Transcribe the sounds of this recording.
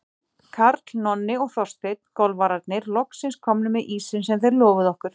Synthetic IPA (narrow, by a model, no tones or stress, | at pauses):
kʰaɾt̪lnɔnːɪɔɣθɔrst̪ɪt̪̚kɔlvaɾaɾt̪nɪɾlɔhksɪnskʰɔmnʏmɛðʔiːsɪnsɛmθɛɾljɔːvʏðɔhkʏɾ̥